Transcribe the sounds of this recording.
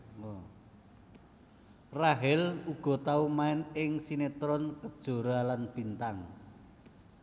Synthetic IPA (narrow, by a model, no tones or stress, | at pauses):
raɦɪluɡ̥ɔ̤t̪aumaɪnɪŋsinet̪ɾɔnkəd̥ʒ̥o̤ɾalanb̥i̤nt̪aŋ